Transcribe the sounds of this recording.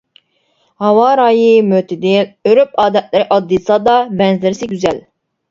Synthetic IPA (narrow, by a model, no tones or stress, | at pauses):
hɑwɑɾɑːjimøt̪ʰɪd̪ɪløɾyp̚ɑːd̪ɛt̪̚lɪɾɪʔɑd̪ːɨsɑːd̪ɑbɛnzlɪɾɪsɪɡʲyzɛl